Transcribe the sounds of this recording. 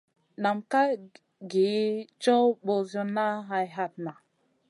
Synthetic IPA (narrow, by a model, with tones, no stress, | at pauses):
na˨mka˦ | ɡe˨˦t͡ʃo˦wbo˨zo˦na˦ɦa˧jɦa˦t̚na˨